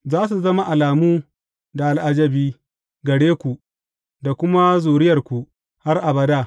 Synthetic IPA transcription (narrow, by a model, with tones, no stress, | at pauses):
zaː˦s̬u˨zɐ˦ma˦ʔa˨laː˨muː˦ | da˨ʔa˨lʔa˨d͡ʒɐ˦biː˦ | ɡɐ˨ɽeː˦kʷu˨ | da˨kʷʊ˦ma˦zuː˨ɽɪ˦jɐ˨rkʷu˨ | ha˦rʔa˨bɐ˦daː˦˨